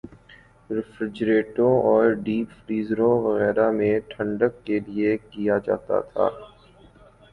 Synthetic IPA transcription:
ɾɪfɾɪd͡ʒɾeːʈõɔːɾɖiːpfɾiːzɾõʋɐɣɛːɾamẽʈʰə̃ɳɖəkːeliekijad͡ʒa̰ːt̪a̰t̪ʰa̰ː

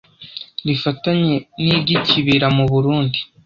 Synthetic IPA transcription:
ɾifataɲe̞niɾɟiciβiɾamuβuɾuːndi

